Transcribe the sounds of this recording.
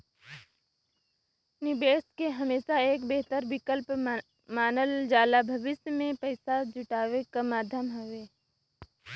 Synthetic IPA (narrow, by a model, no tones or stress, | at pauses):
nɪbeːskeɦɐmeːʃaeːkbeɦt̪əɾʋɪkəlp | maːnəld͡ʒaːlabʱɐʋɪsjəmẽpɐɪsad͡ʒʊʈaːʋekamaːd̪ʱjəmɦɐʋeː